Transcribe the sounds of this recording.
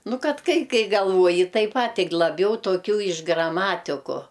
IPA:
ˈnʊ ˈkɐt ˈkɐɪ ˈkɐɪ ɡɐlˠˈʋuɔjɪ ˈtɐɪp ˈpɐtʲ ˈtʲɪk lˠɐˈbʲɛʊ toːˈkʲuː ɪʃ ɡrɐˈmɑːtʲɪkʊ

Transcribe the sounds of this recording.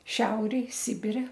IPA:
ˈʃʲɛʊrʲeːj ˈsʲɪbʲɪrʲɛ

